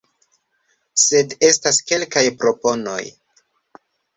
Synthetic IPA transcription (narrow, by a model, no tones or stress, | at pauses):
se̞de̞staske̞lkajpɾo̞po̞no̞̰j